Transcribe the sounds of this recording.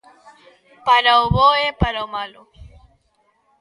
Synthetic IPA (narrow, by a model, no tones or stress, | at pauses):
paɾaoβoepaɾamalo